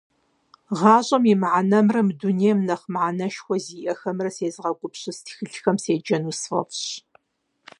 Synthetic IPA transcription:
ʁɑːɕʼɐmimʕanɐmrɐmduneːmnɐχmʕanɐʃxʷɔziːʔɐxɐmrɐseːzʁɐkʷʼʊpɕɪstʰxɨɬxɐmseːd͡ʒɐnuːsfɐ̰fɕ

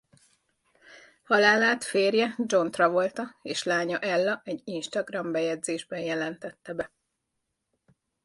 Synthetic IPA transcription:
hɒlaːlaːt̪feːrjɛd͡ʒo̞nt̪rɒvo̞lt̪ɒeːʃlaːɲɒʔɛlːɒʔɛɟːinʃt̪ɒɡrɒmbɛjɛdzeːʒbɛnjɛlɛnt̪ɛt̪ːɛbɛ

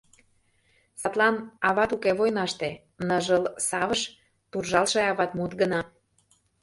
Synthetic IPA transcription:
sɑt̪lɑnɑβɑt̪ukeβojnɑʃt̪e | nəʒəlsɑβəʃ | t̪urʒɑlʃeɑβɑt̪mut̪ɡənɑ

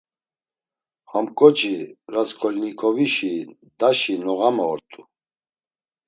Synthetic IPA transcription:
hɔmkʼɔt͡ʃʰiɾaskʰɔlnikʰɔviʃi | d̪aʃinɔɣamɔːɾt̪ʼu

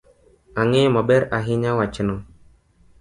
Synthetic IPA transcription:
aŋemabɛɾaɦiɲawat͡ʃɪnɔ

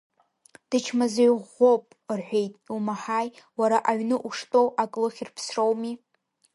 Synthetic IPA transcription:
d̥ɨt͡ʃʰmazejʁo̞pʼ | rħʷᶣe̞jtʼumaħajwaɾaʔaɥnɨʔuʂtʼo̞wʔakʼlɨχʲirpʰsrowmi

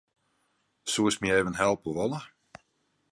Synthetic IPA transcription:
suəsmieːvənɦɛlˠpəʋɔlə

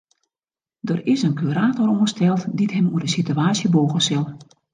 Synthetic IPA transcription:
dərɪsənkʰyɾaːtɔɾũstɛlˠtditɦɛmuədəsityaːsjəboːɣəsɪlˠ

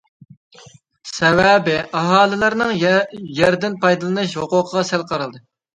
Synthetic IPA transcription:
sɛwɛbɪʔɑɦɑːlˠɨlˠɨɾnɨŋjæɾd̪ɪnpʰɑjd̪ɨlˠɨnɨʃhoqʊqʰəʁɑsælˠqʰɑɾɨlˠd̪ɨ

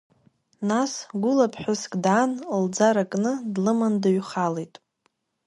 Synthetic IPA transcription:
nasɡʷʊlapʰħʷᶣʊskʼdaːnld͡zaɾakʼnɨdlɨmandaɥχalejtʼ

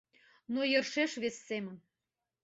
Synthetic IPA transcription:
nojə̆rʃeʃβesːemən

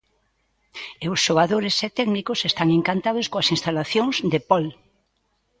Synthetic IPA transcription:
eʊsʃoɣaðoɾeset̪ɛɡnikʊsest̪aŋeŋkant̪aðʊskoɐsinst̪alaθjoŋzd̪epɔl

